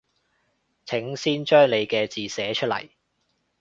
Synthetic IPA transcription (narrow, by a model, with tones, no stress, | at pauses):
t͡sʰɪ˨˥ŋsiː˥nt͡ʃœː˥ŋle˨˧jkɛː˧t͡siː˨˩sɛː˨˥t͡ʃʰt̚lɐ̰˨˩j